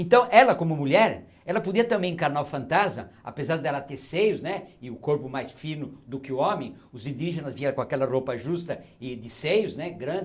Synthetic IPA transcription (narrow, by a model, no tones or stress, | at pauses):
ẽnt̪ɐ̃w̃ʔɛlɐkõmʊmuʎɛɾ | ɛlɐpod̪iɐt̪ɐ̃mbẽj̃ẽkaɾnaʊfɐ̃nt̪azmɐa̰pezaɾd̪ɛlɐt̪eɾsejʊznɛɪʊkoɾpʊmajsfinʊd̪ʊkɪʊõmẽj̃ | ʊzĩnd̪iʒenɐzviɛɾɐkõakɛlɐropɐʒust̪ɐ | ɪd̪ɪsejʊznɛɡɾɐ̃d̪ɪ